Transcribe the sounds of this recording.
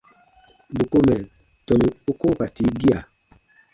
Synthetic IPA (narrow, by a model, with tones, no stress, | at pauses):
bu˨ko˦mɛ˨ | tɔ˨ni˨u˦ko˦pa˨ti˨˦ɡi˦a˨